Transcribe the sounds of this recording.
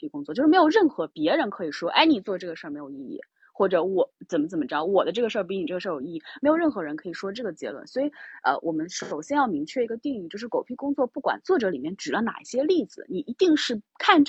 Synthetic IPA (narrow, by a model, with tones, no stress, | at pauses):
i˥˩kʊ˥ŋt͡swɔ˥˧t͡ɕo˥˧ʂ̩˥˧˥jo˨˩ʊɻə˥˩nxɤ˧˥pjɛ˧˥ɻə˧˥nkʰɤ˧˥i˨˩ʂwɔ˥ʔa̰˥˩ɪni˨˩t͡swɔ˥˧ʈ͡ʂɤ˥˩ɡə˩ʂə˥˩me˧˥ɪjʊi˥˧ḭ˥˩ | xwɔ˥˩ʈ͡ʂɤ˧˥wɔ˨˩˦t͡sə˨˩nmə˦t͡sə˨˩nmə˦ʈ͡ʂɻd̪ɑ˥˩wɔ˨˩d̪ə˦ʈ͡ʂɤ˥˩ɡə˩ʂ̩˥˧˥ni˨˩ʈ͡ʂɤ˥˩ə˧ʂɤ˥˧jo˨˩˧i˥˧i˥˩me˧˥ɪo˨˩ʊɻə˥˩nxɤ˧˥ɻə˧˥nkʰɤ˧˥i˨˩ʂwɔ˥ʈ͡ʂɤ˥˩ɡə˩t͡ɕjɛ̰˧˥lwə̰˩˦nswɔ˧˥i˧˥˦ə̰˧wʔɔ˨˩mə˦nʂo˨˩ʊɕjɛ˥njɑ˥˩ʊmi˧˥ŋt͡ɕʰɥɛ˥˩i˧˥ɡə˧t̪i˥˧ŋi˥˩t͡ɕjo˥˧ʊʂɻ̩˥˩ko˨˩ʊpʰi˥˩kʊ˥ŋt͡swɔ˥˧pu˥˩kwa̰˨˩nt͡swɔ˥˩ʈ͡ʂɤ˧˥li˨˩mjɛ˥˩nʈ͡ʂɻ̩˨˩ə˦na̰˨˩ɕjɛ˥li˥˩d͡zɹ̩˨˩ni˨˩i˧˥t̪i˥˧ŋʂɻ̩˥˩kʰa˥˧nʈ͡ʂ